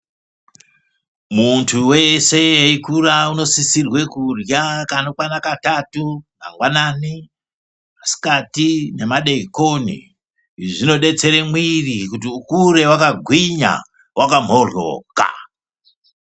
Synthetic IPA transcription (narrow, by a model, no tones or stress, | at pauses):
muntʰuwe̞sejeikurauno̞sisirwe̞kurjakanokwanakatatuna̰ŋɡwanani | masi̥katine̞maɗeikonḭ | ʐino̞ɗe̞t͡se̞ɾemwirikut̬iukuɾe̞wakaɡʱwiɲa̰ | wʔakam̤o̞rwo̰ːka̰